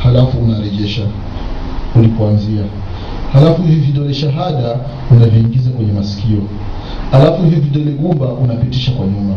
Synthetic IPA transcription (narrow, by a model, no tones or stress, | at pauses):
halafuːnaɾɛʄɛʃa | ulipuanzia | halafuviviɗɔlɛʃaɦaɗa | unaviiːŋɡizakwɛɲɛmasi̥kiɔ | alafuhihviviɗɔlɛɡumbaʔunapitiʃakwaɲuma